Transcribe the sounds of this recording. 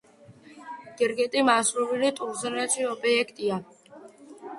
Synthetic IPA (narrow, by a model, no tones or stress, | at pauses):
ɡ̥ɛɾɡɛt̪ʼimasɾuvilit̪ʼuɾzɛnat͡ʃʰiɔbʼiɛkʰt̪ʼia